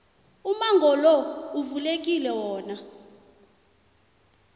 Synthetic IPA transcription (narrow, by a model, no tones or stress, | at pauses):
umaŋɡʱɔlɔuvulek̬ʼilɛwɔːna